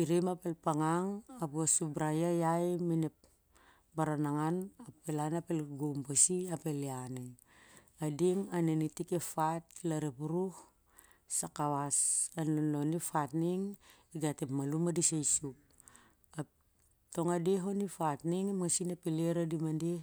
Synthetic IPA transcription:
iɾemapelpaŋaŋapuasubɾajajajminep̚ | baɾanaŋanapelanapelɡumbasiapelianaj | adiŋanenitikefatlaɾepuɾuh | sakawasanlonːonifatniŋ | iɡatemalumadisajsup̚ | a | to̞ŋadeɦonifatniŋimŋasinepeleɾadimande

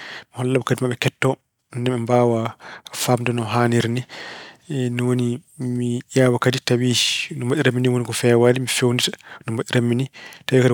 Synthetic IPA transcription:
mihɔlːabɔkadimaɓɛkɛtːɔ | nndɛɓɛmbaːwafamdɔnɔɦaːniɾni | nɔwonimijawakaditawid͡ʒinɔmbaɗiɾamːiniwonikɔfɛwadimifewnditḁnɔmbaɗiɾamːinitawikadi

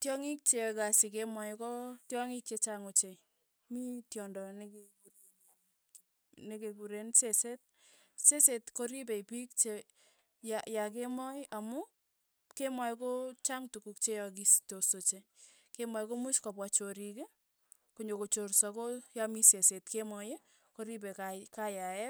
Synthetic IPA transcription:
tjɔŋik̚t͡ʃekasikemɔjkɔtjɔŋik̚t͡ʃet͡ʃaŋot͡ʃe | mitjɔndɔnekeku | nekekuɾenseset̚ | sesetkoɾip̬eipik̚t͡ʃe | jajak̬emɔjamʊ | kemɔjkot͡ʃaŋtukukt͡ʃejɔk̬istosot͡ʃe | kemɔjkomuʃkɔpwat͡ʃoɾike | koɲokot͡ʃoɾsɔkojamisesetkemɔje | koɾib̬ekakajaɛt̚

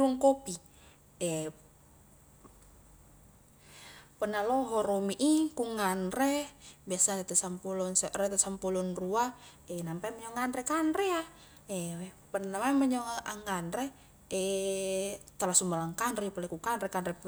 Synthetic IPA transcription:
luŋkopi | ɛ | pənalɔɦɔɾɔmiʔikuŋanɾɛbiasaɾɛt̪ɛsampulɔnsaɾɛt̪ɛsampulɔnrua | ɛnampamɛɲɔŋanɾɛkanɾɛa | ɛwɛ | pərnnamaməɲɔaʔaŋanɾɛ | ɛ | t̪alasumbalaŋkanɾipulɛkukanɾɛkanɾɛ

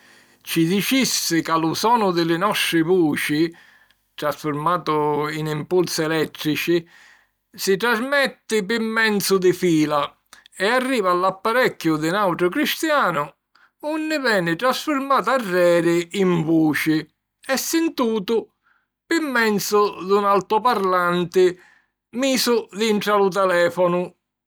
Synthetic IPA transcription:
t͡ʃid̪it͡ʃisːɪkalʊsɔːnʊd̪ɪlɪnɔst̪ɾɪvuːt͡ʃɪ | t̪ɾasfʊɾmaːt̪ʊinimpulsɪɛlɛt̪ːɾit͡ʃɪ | sɪt̪ɾazmɛt̪ːɪpɪmːɛnt̪sʊd̪ɪfiːla | ɛarːiːvaːlːapːaɾɛkːjʊd̪ɪnawʈ̪ɾʊkɾist̪jaːnʊ | unːɪvɛːnɪt̪ɾasfʊɾmaːt̪̬arːɛːɾɪiɱvuːt͡ʃɪ | ɛsːɪnt̪uːt̪ʊ | pɪmːɛnt̪sʊd̪unalt̪ʊpaɾlant̪ɪ | miːsʊd̪iɳʈ̪ɾalʊt̪ɛlɛːfɔnʊ

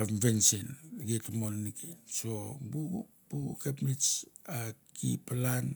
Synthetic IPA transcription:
ambensenɡetamolnikʰeso̞buɡu | b̥uɡukepnit͡ʃakḭpalan

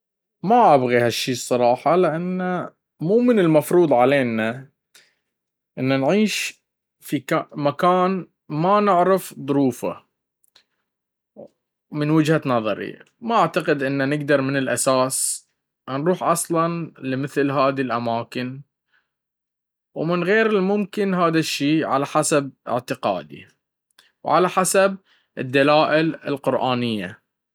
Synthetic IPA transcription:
maʔabɣihaʃːiːsˤːɑɾˤɑːħɑlɪʔanːa | muːmɪnɪlmɑfɾuːd̪ˤʕaleːna | ʔɪnːanʕiːʃ | fikamakaːn | manɪʕɾɪfðˤʊɾuːfa̰ | mɪnwɪd͡ʒhanɑðˤɑ̰ɾḭ | maʔaʕt̪aqɪd̪ʔɪnːanɪɡd̪ɑɾˤmɪnɪlʔa̰saːs | nɾuːħʔɑsˤlɑnlɪmɪθlɦaːðilʔamaːkɪn | wmɪnɣeːɾɪlmʊmkɪnɦaːðaʃːiːʕa̰laħasab̚ʔɪ̰ʕt̪ɪqa̰ːd̪ḭ | wʕa̰laħasab̚ | ʔɪ̰d̪ːalaːʔɪlɪ̰lqʊɾʔaːnɪjːa̰

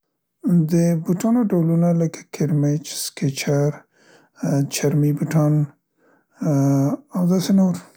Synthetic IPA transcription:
d̪əbuʈɑnoɖawlunaləkḁkʰɪɾmet͡ʃskɪt͡ʃaɾ | t͡ʃaɾmibuʈɑn | awd̪ɑsenoɾ

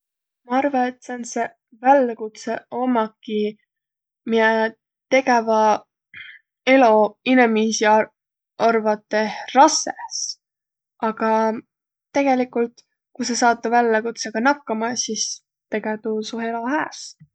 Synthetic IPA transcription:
mɑɑrvɑet̪ːsense | vælːɑkut̪seo̞mɑkːi | miɛ | t̪e̞ɡe̞vɑ | e̞lo̞inemiːsi | ɑrvɑt̪ˑːe̞rɑses | ɑɡ̥ɑ | t̪ːe̞ɡ̥e̞likult̪ | kusesɑːt̪ːˑɑvælːɑkut̪seɡ̥ɑnɑkːɑmɑsis | t̪e̞ɡ̥et̪usue̞lo̞ɦæːs

